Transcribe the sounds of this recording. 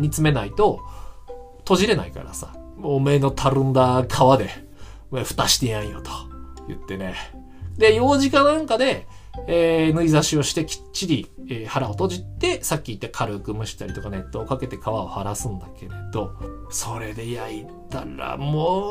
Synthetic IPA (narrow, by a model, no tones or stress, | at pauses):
mʲit͡sɨme̞nait̪o̞ | t̪o̞ʑiɾe̞na̰ika̰ɾa̰sa̰ | mːme̞ːno̞t̪ʰaɾɯ̟̃nd̪akʰaβad̪e̞ | meɸɯ̟̥t̪aɕi̥t̪ejaĩjo̰t̪o̥jɯ̰t̪ːe̞ne̞ | d̪e̞jo̞ːʑikãnãŋkad̪e̞ː | nɯ̟izaɕio̞ɕi̥t̪e̞kʲi̥tt͡ɕːiɾʲieːhaɾao̞t̪o̞ʑit̪ːe̞sakʲːit̪ːakʰaɾɯ̟kɯ̟mɯ̟ɕi̥t̪aɾʲit̪o̞kane̞t̪ːo̞ːkake̞t̪e̞kaβaohaɾasɨ̃nd̪ake̞ɾe̞d̪o̞so̞ɾe̞d̪e̞jai | t̪a̰ɾa̰mo